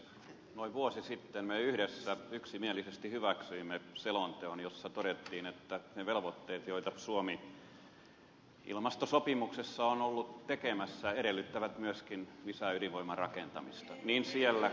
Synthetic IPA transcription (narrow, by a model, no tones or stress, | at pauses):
noiʋʋuosisit̪ːenmeyhɾesːæyksimielisest̪ihyʋæksyimːeselont̪eonjosːɑt̪oɾet̪ːiːnet̪ːæneʋelʋot̪ːeːt̪joit̪ɑsuomi | ḭlmɑst̪osopimuksesːɑonolːutt̪ekemæsːæeɾelːˑyt̪ːæʋæt̪myøskinʋisæyliʋʋoimːˑɑrɑkent̪ɑ̰mist̪ɑniːnsielːæ